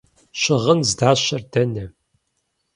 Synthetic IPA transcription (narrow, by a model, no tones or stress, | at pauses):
ɕɪʁənzdaːɕɐrdɐnɐ